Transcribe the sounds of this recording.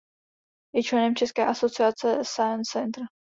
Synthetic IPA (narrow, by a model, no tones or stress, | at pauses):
jɛt͡ʃlɛnɛmt͡ʃɛskɛːʔaso̞t͡sɪat͡sɛsajənɛnt̪ɾ